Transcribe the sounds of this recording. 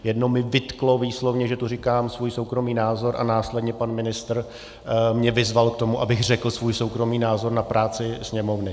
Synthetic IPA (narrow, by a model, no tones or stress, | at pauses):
jɛdnomɪvɪt̪klo̞viːslo̞vɲɛʒɛt̪urɪkaːmsvuːjso̞wkɾo̞miːnaːzo̞ɾʔa̰naːslɛdɲɛpanmɪnɪst̪r̩ | mɲɛvɪzvalk̚t̪o̞muʔabɪɣrɛkl̩svuːjso̞wkɾo̞miːnaːzo̞ɾnapɾʔaːt͡sɪsɲɛmo̞vnɪ